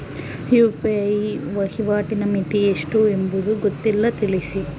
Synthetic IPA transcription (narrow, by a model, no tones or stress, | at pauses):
hjuːpiɐjʋɐhiʋaːʈinɐmit̪ieʂʈuembud̪uɡot̪ːilːɐt̪iɭisi